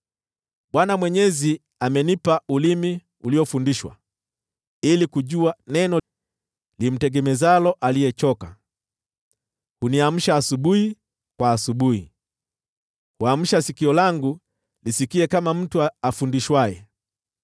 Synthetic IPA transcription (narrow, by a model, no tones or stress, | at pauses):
ɓwanamwɛɲɛzi | amɛnipaulimi | uliɔfundiʃwa̰ | ilikuʄuanɛnɔ | lim̩tɛɡɛmɛzalɔʔalijɛt͡ʃɔka | huniam̩ʃaːsuɓuhi | kwaːsuɓuhi | huam̩ʃasikiɔlaŋɡu | lisikiɛkamam̩tuaafundiʃwajɛ